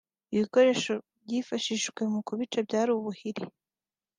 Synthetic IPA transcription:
iβiko̞ɾe̞ːʃo̞ | bɟifaʃiʃɡ̥we̞mukuβit͡ʃabjaːɾuβuhiɾi

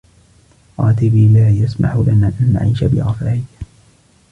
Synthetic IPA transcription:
qɑːt̪ɪbiːlaːjasma̰ħʊlanaːʔanːa̰ʕiːʃabɪ̰ɾɑfaʕɪj

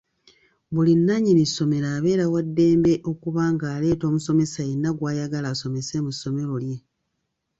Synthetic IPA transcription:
βulinːaɲinisːo̞me̞ɾaːβe̞ːɾawadːe̞ːmbe̞ʔo̞kuβaːŋɡaːle̞ːto̞ːmuso̞me̞sajenːaɡwaːjaɡalaːso̞me̞se̞musːo̞me̞ɾo̞lje̞

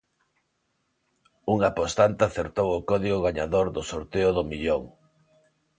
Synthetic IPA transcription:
uŋapost̪ant̪aθeɾt̪owʊkɔðiɣʊɣaɲaðoɾðʊsoɾt̪eʊðomiʎoŋ

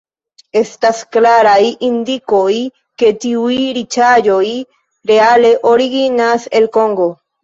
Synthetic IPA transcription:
e̞st̪asklaɾajind̪iko̞j | ke̞t̪iujɾit͡ʃad͡ʒo̞j | ɾeale̞ʔoɾiɡinaselkoŋɡo̞

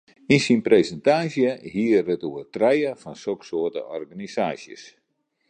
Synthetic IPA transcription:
insinpresɛntaːsjəhiərətuərtrɛjəfɔnsoksoətə̰ʔɔrɣanisaːsjə̰s

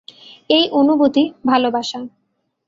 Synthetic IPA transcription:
ejʔonubot̪ibʱalobaʃa

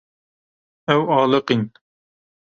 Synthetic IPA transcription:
ɛwɑːlˠɨqin

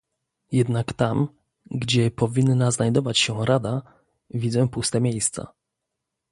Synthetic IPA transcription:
jɛd̪nakt̪am | ɡd͡ʑɛpɔvʲinːaznajd̪ɔvat͡ɕɕɛɾad̪a | vʲid̪zɛ̃pust̪ɛmʲejst̪sa̰

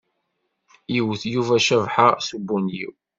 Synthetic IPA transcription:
jiwθjuvæʃævħasubːunjḭw

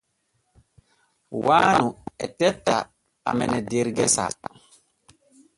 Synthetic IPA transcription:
waːnuɛ̰tɛtːa | a̰mɛ̰nɛdeɾɡɛsa̰

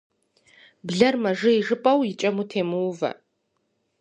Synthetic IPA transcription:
bɮɐrmɐʐɨiʐɨpʼɐwit͡ʃʼɐmutʰeːmɨwvɐ̰

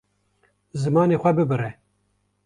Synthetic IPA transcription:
zɨmɑːneːxʷɛbɨbɨɾɛ

